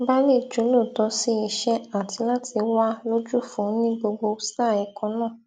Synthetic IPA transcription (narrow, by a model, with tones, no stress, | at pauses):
ba˦le˦˨d͡ʒu˨˦lo˦˨tɔ˨˧˦si˦i˧ʃɛ˦a˦˨ti˧la˦ti˧wa˦lo˦d͡ʒu˦fũ˨˦nĩ˦ɡ͡bo˧ɡ͡bo˧˦sta˦˨ɛ˨˧kɔ̃˨˧nãː˦˨